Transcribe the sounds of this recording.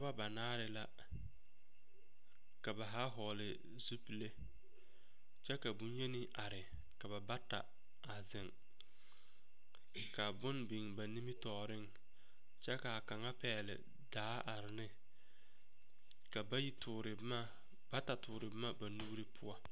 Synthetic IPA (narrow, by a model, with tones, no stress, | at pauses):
ba˦ba˨naː˦ɾɪ˨la˦ | ka˨ba˨ɦa˦ɦɔː˨lɪ˨ | zu˦pi˨le˦ | t͡ʃɛ˦ka˨bʊ˦n˦ɲe˦nɪ˦ʔa˨ɾɪ˨ | ka˨ba˨ba˦ta̰˨ | a˨zɪ˨ŋ | ka˨bʊ˦nbi˨ŋba˨ni˦mi˦tɔː˨ɾɪ˦ŋ | t͡ʃɛ˦ka˨ka˨ŋa˦pɛː˨˦˨lɪ̰˨ | daː˨˦ʔa˨ɾɪ˨nɪ˦ | ka˨ba˦ji˦tʊ˨ɾɪ˨bma˦ | ba˦ta˨tʊː˨ɾɪ˨bɪ˦ma˦ba˨nu˦ɾɪ˦pʰʊ˦a˦